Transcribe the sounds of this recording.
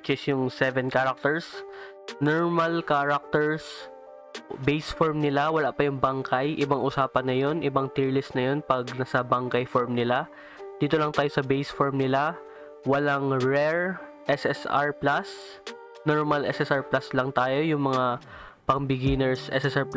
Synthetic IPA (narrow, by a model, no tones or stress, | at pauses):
t͡ʃɪsjʊŋsɛvɛnkaːɾɐk̚t̪ɛɹs | noɹmɐlkaːɹɐk̚t̪ɛɹs | bejsfoɹmnɪlawɐlaʔpɐjʊŋbɐŋkajʔɪbaŋʔʊsaːpɐnːɐjo̞nʔɪbaŋt̪iɹlɪst̪nɐjo̞npɐɡnɐsɐbɐŋkɐjfoɹmnɪla | d̪̥iːt̪olɐŋt̪aːjosɐbejsfoɹmnɪla | wɐlaŋɹɛɹ | ʔɛsɛsa̰ɹplas | noɹmɐlʔɛ̰sɛsʔaɹplaslɐŋt̪aːjo̞jʊŋmɐŋa | pɐŋbɪɡinɛɹsʔɛsɛsaɹp